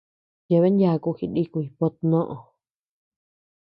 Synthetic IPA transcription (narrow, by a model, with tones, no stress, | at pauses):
je˧˨βe˦nja˧˨˧ku˧xi˧di˦ku˧˨i˧po˧t̪nõ˦ʔõ˨